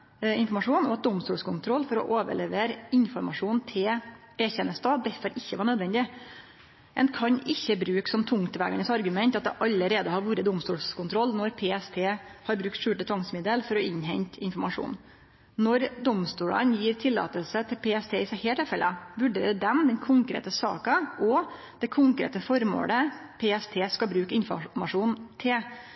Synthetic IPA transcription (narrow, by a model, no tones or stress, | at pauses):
ɪnfɔɾmɑʂuːnɔɑt̪̚d̪ɔmst̪uːlskʊnt̪ʰɾɔlːfɔɾɔ̰ʔoːʋə̰ɭɛʋeːɾɪnfɔɾmɑ̰ʂuːnt̪ʰɪl | eːçɛnəst̪ɑːd̪ɛfɔɾɪçːəʋɑːɳœd̪ʋɛnd̪ɪ | ʔɛ̰nkʰɑɲʔɪçːəbɾʉːksɔmt̪ʰʊŋkt̪ʋæ̰ɡɑ̰nəsɑɾɡʉmɛnt̪ɑt̪̚d̪ɛʔɑlːəɾeːd̪əhɑɾʋuːɾəd̪ɔmst̪uːlskʰʊnt̪ʰɾɔlːnɔɾpʰeːɛst̪ʰeːhɑɾbɾʉk̚t̪ʂʉːʈət̪ʰʋɑŋsmɪd̪əlfɔɾɔɪɲɦɛɲt̪ɪnfɔmɑʂṵːn | nɔɾd̪ɔmst̪uːlə̰njiːɾt̪ʰɪlːɑ̰ːt̪əlsət̪ʰɪlpʰeːɛst̪ʰeːɪsæɪheːʈʰːɪlfɛlʔəʋʉɖḛːɾəd̪ɛmd̪ɛnkʰʊŋkɾḛːt̪əsɑ̰ːkɑʔɔ | d̪̥ɛkʰʊŋkɾḛːt̪əfɔɾmo̰ːɽəpʰeːɛst̪ʰeːskɑbɾʉːkɪnfɔ̰mɑʂuːnt̪ʰɪ